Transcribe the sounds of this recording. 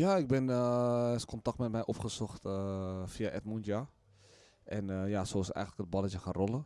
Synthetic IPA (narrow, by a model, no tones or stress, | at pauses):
jaːɪk̚bɛnəɛskontɑk̚tmɛtmɛjʔɔpχəsɔχtəfiaʔɛtmunta | ʔɛnəjaːsoːɪsətɛ̰jxəntləkət̚bɑlət͡ʃəxanrolə